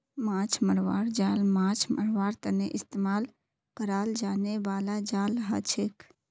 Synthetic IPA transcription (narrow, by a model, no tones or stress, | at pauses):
mãt͡ʃʰməɾʋaːɾd͡ʒaːlmãt͡ʃʰməɾʋaːɾt̪əneʔɪst̪emaːl | kəɾaːld͡ʒaːneʋaːlad͡ʒaːlɦə̰t͡ʃʰek